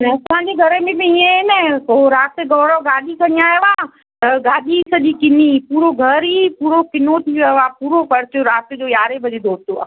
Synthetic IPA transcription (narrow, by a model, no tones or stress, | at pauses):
nɐɐsãːd͡ʑeɡʱɐɾmɪ̃bɪiẽnɛkoɾaːt̪eɡɔːɽoɡaːɗisɐɲiaːeʋaː | ɐɡaːɗisɐʄikɪnipuːɾoɡʱɐɾipuːɾokɪnot̪ʰiʋɐʋaːpuːɾopɐɾt̪joɾaːt̪ed͡ʑoːjaːɾebʱɐd͡ʒed̪ʱoːst̪oa̰ː